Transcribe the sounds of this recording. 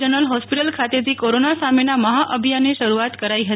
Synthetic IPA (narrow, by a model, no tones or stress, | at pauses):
d͡ʒənəlɦɔspiʈəlkʰat̪et̪ʰikoɾonasamenaməɦaʔəbʱijanːeʃəɾuat̪kəɾaiɦə